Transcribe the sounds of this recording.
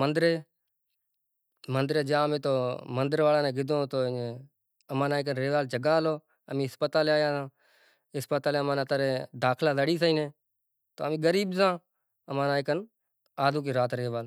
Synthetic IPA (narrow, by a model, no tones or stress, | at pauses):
ənd̪ɾeː | mənd̪ɾeːd͡ʒãːmẽːt̪oːmənd̪əɾʋaːlãːnẽːɡɪd̪ʱõːt̪oː | əmãːnaːɪk̬ənɾeːʋaːld͡ʒəɡaːloː | əmĩːɦɪspət̪aːleːaːjãːsãː | ɦɪspət̪aːleːəmaːnãːt̪əɾeːd̪aːkʰlaːzəɽiːs̬əĩːneː | t̪o̰ːəmĩːɡəɾiːbsãː | əmãːnãːɪkən | aːd̪uːk̬iːɾaːt̪ɾeːʋaːl